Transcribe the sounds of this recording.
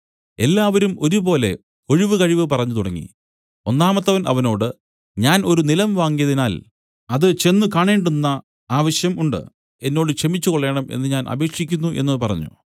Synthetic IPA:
e̞lːaːʋɐɾumo̞ɾupo̞ːle̞ | o̞ɻiʋɨkɐɻiʋɨpɐrɐɲːut̪uɽɐŋːḭ | o̞nːaːmɐt̪ːɐʋɐnʔɐ̰ʋɐno̞ːɽɨ | ɲaːno̞ɾunilɐmʋaːŋɡijɐðinaːl | ɐðɨt͡ɕe̞nːukaːɳeːɳɖunːɐ | aːʋɐɕjɐmuɳɖɨ̰ | e̞nːo̞ːɽɨkʂɐmit͡ɕːukoɭːe̞ːɳɐme̞̰nːɨɲaːnʔɐ̰be̞ːkʂikʲːunːuʔe̞nːɐpɐrɐ̰ɲːṵ

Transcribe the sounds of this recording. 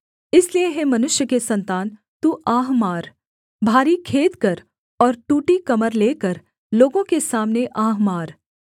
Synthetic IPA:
ɪslieɦɛmɐnʊʃjəkesɐ̃nt̪aːn | t̪uːʔaːɦmaːɾ | bʱaːɾikʰeːt̪kɐɾ | ɔːɾʈuːʈikɐməɾleːkəɾ | loːɡõkesaːmneʔaːɦmaːɾ

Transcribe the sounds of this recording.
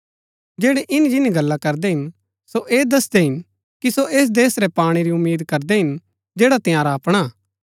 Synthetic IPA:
d͡ʒeːɽɛʔɪnid͡ʒɪniɡɐlːakɐɾd̪ɛɦɪn | soʔeːd̪ɐsd̪eɦɪn | kisoʔeːs̬d̪eːsɾɛpaːɽ̃iɾiʊmːiːd̪kɐɾd̪ɛɦɪn | d͡ʒɛːɽat̪ɪjaːɾaɐpɽ̃aː

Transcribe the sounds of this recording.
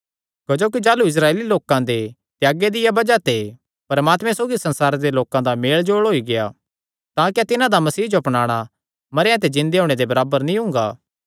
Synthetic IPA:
kɐd͡ʒoːk̬id͡ʒaːluɪs̬ɾaːeːliloːkãd̪e | t̪jaːɡed̪ɪjabɐd͡ʒat̪e | pɐɾmaːt̪mɛ̃soːɡisɐ̃nsaːɾed̪eloːkãd̪ameːɭd͡ʒoːɭɦoːiɡeja | t̪ãːkat̪ɪnãd̪amɐsiːd͡ʒoɐpnaːɽ̃a | mɐɾɪjãt̪̬ed͡ʒɪ̃nd̪eɦoːɽ̃ed̪ebɐɾaːbəɾnĩɦʊ̃ŋɡa̰ː

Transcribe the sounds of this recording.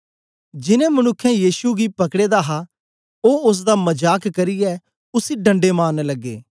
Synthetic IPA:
d͡ʒɪnẽːmɐnʊkʰːɛ̃jiːsuɡiːpɐkɽeːd̪aɦa | oːʊs̬d̪aːmɐd͡ʒaːkkɐɾɪjɛː | ʊsiɖɐ̃ɳɖeːmaːnelɐɡːḛː

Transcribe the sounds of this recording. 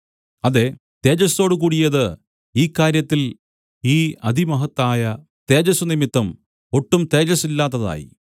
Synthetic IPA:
ɐðe̞ | t̪e̞ːd͡ʑɐso̞ːɽukuːɽijɐðɨ | iːkːaːɾjɐt̪ːil | iːɐd̪ʱimɐɦɐt̪ːaːjɐ | t̪e̞ːd͡ʑɐsunimit̪ːɐm | oʈːumt̪e̞ːd͡ʑɐsilːaːt̪ːɐða̰ːjḭ

